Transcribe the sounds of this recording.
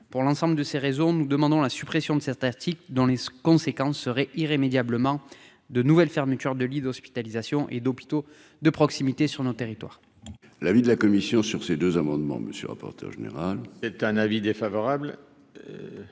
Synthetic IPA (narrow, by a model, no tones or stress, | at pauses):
puʁlɑ̃sɑ̃bləd̪əseʁezɔ̃nud̪əmɑ̃d̪ɔ̃lasypχesjɔ̃d̪əsɛt̪aʁt̪ʰikd̪ɔ̃lekɔ̃sekɑ̃sːəʁɛʔiʁemed̪jabləmɑ̃ | d̪ənuvɛlfɛʁmət̪yʁd̪əlid̪ɔspi̥t̪alizasjɔ̃ʔed̪ɔpi̥t̪o | d̪əpχɔksimit̪esyʁnot̪eʁit̪wa̰ʁ | lavid̪əlakɔmisjɔ̃syʁsed̪øzamɑ̃d̪mɑ̰̃mə̰sjə̰ʁa̰pɔ̰ʁt̪ʰœ̰ʁʒenḛʁalɛt̪ɛ̃navid̪efavɔʁabl